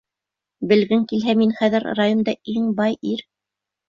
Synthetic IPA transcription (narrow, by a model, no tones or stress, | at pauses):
bɘ̆lɡɘŋkilɦæminχæðɘɾrajond̪ɑiŋbɑjiɾ